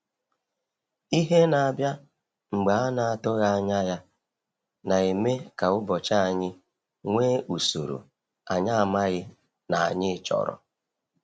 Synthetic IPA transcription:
i˦ɦe˦na˨a˨bja˦ | ŋ͡m̩˨ɡ͡ba˨a˦na˨a˨tʊ˦ɣa˦a˦ɲa˦ja˦ | na˨e˨me˦ka˨ʊ˦bɔ˨t͡ʃa˦a˨ɲɪ˦ | ŋʷeː˦ʔu˨so̰˨ɾṵ˨ | a˨ɲa˦a˨ma˦ɣɪ˦ | na˨a̰˨ɲɪ˦˨t͡ʃɔ̰˨ɾɔ̰˨

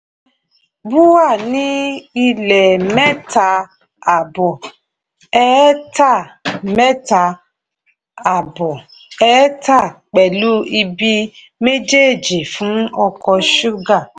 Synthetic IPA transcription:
bu˦wa˦˨nĩ˨˦i˧lɛ˨mɛ˦ta˧ | a˨bɔ˨ | ɛ˦ta˦˨mɛ˦ta˧ | a˨bɔ˨ | ɛ˦ta˦˨k͡pɛ˨lu˦i˧bi˧ | me˦d͡ʒe˦˨d͡ʒi˨fũ˨˦ɔ˧kɔ˧ʃu˦ɡa˦˨

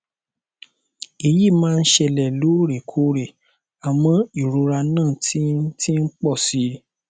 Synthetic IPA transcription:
e˨ji˦˨mãː˦˧n̩˦ʃɛ˧˨lɛ˨lo˨˦ɾe˨kʰo˨˦ɾe˨ | a˨mɔ̃˨i˨ɾo˧ɾa˧nãː˦˨tʰi˦ti˦n̩˦k͡pɔ˦˨si˨˦

